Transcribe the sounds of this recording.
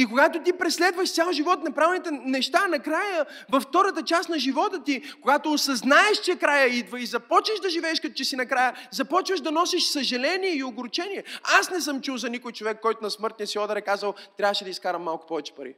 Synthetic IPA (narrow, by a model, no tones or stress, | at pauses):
ikoɡat̪ot̪ipɾɛslɛd̪vəʃt̪sʲalˠʒivɔt̪nɐpɾavɛlnit̪ɛnɛʃt̪anɐkɾajə | vɐft̪ɔɾət̪ət͡ʃasnɐʒivɔt̪ət̪ikoɡat̪oːsɐznaɛʃt͡ʃɛkɾajəid̪vəizɐpɔt͡ʃvəʃd̪ɐʒivɛːʃkɐt̪ɔ̥t͡ʃɛsinɐkɾajəzɐpɔt͡ʃvəʒd̪ɐnɔsɛʃsɐʒɛlɛniɛioɡʊɾt͡ʃɛniɛasnɛs̬ɤmt͡ʃuwzɐnikʊjt͡ʃovɛkːɔjt̪ʊnɐsmɤɾt̪niɐsiɔd̪ɐɾɛkazəlˠt̪ɾʲavəʃɛd̪ɐiskaɾɐmːalˠkʊ̥pɔvɛt͡ʃɛ̥pɐɾḭ